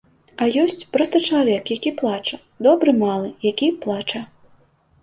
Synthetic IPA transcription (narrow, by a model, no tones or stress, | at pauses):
ɐjɔsʲt͡sʲpɾɔst̪ɐt͡ʂɐlˠavʲɛkjakʲiplˠat͡ʂɐ | d̪ɔbɾɨmalˠɨjakʲiplˠat͡ʂɐ